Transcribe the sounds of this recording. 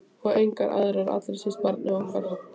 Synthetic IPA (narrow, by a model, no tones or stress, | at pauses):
ɔejŋkaɾʔa̰ðɾaɾa̰t̪laɾsɛspaɾt̪nɛɣɔŋkaɾ̥ha